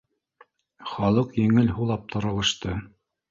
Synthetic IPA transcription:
χɑlˠɤqjɘ̆ŋɘlɦulˠɑp̚t̪ɤ̆ɾɤ̆lˠɤ̆ʃt̪ɤ

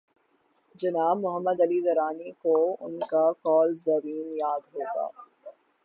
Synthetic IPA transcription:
d͡ʒɐnaːbmʊɦəmːəd̪ɐlizɐɾaːnikoʊ̰nkakɔːlzɐɾiːnjaːd̪ɦoːɡa̰ː

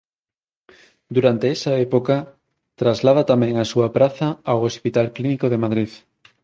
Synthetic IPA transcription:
d̪uɾant̪eɛsaepoka | t̪ɾazlað̞at̪amɛ̃ŋasuapɾaθaːwospit̪alklinikoð̞emaðɾið

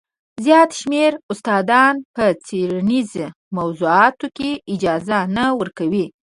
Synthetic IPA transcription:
zjɑt̪ʃmeɾʊst̪ɑd̪ɑnpət͡seɾaniz | mawzuɑt̪okeɪd͡ʒɑzanawəɾkawi

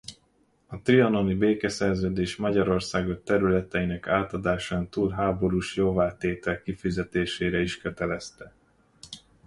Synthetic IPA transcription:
ɒt̪riɒno̞nibeːkɛsɛrzøːd̪eːʃmɒɟɒɾo̞rsaːɡot̪ɛɾylɛt̪ɛinɛkaːt̪ɒd̪aːʃaːnt̪uːlɦaːbo̞ɾuːʃjoːvaːt̪eːt̪ɛlkifizɛt̪eːʃeːɾɛiʃkø̞t̪ɛlɛst̪ɛ

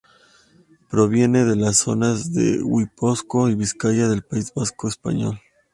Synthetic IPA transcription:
pɾo̞βje̞ne̞ðe̞lasːo̞̰nazðḛwiposko̞iβiskaʝaðe̞lpaizβasko̞espa̰ɲo̞̰l

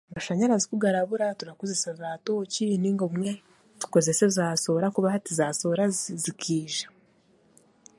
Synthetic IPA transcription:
maʃaɲaɾazikuɡaɾaβuɾatuɾakuzesazaːtoːciniŋɡoumŋwe | tu̥ko̞ze̞se̞zaːso̞ɾakuβahatizaːso̞ɾazikʰiːʒḁ

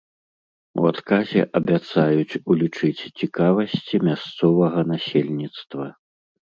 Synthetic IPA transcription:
ṵat̪kazʲɛ̰ʔɐbʲat̪sajut͡sʲulʲit͡ʂɨt͡sʲt͡sʲikavɐsʲt͡sʲimʲast̪sɔvɐɣɐnasʲelʲnʲit̪st̪vɐ

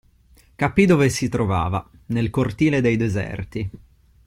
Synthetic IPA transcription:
kapid̪ovesit̪ɾova̰ːva | nelkort̪iːled̪ejd̪ɛzɛ̰rt̪i

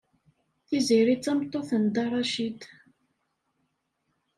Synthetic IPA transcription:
θiziɾit͡sːɑmt̪ˤːoθənd̪ɑɾˤɑʃid̪

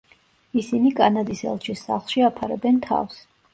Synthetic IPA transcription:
isinikʼanad̪isɛ̰lˠt͡ʃʰisːa̰χlˠʃiapʰaɾɛ̰bɛnt̪ʰa̰fs

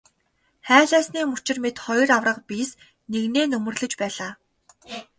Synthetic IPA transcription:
χæːɮæːsniːmu̥t͡ɕɪ̆rmet̪χɔjrawrə̆qpis | neɣneːnɵmɵ̆rɮɵ̆t͡ɕpæːɮaː

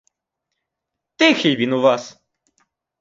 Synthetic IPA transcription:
t̪ɪxilʲʋʲinuʋɑs

